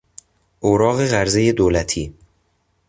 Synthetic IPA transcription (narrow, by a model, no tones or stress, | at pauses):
ʔoɾɒːɣe̞ɣæɾzejed̪oːlæt̪ʰiː